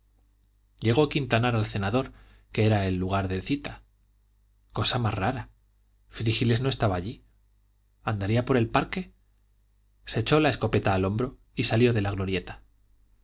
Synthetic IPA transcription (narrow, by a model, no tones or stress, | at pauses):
ɟ͡ʝe̞ɣ̞o̞akint̪anaɾalθe̞naðo̞ɾ | ke̞e̞ɾae̞lːuɣ̞aɾðe̞lθit̪a | ko̞samazraɾa | fɾixile̞zno̞e̞st̪aβaːʎi | and̪aɾiapo̞ɾe̞lpaɾke̞ | se̞t͡ʃo̞laesko̞pe̞t̪aːlo̞mbɾo̞ | isaljo̞ðe̞laɣlo̞ɾje̞t̪ḁ